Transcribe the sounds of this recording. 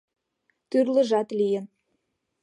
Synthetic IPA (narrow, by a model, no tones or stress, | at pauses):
t̪yrlə̆ʒɑt̪lijə̆n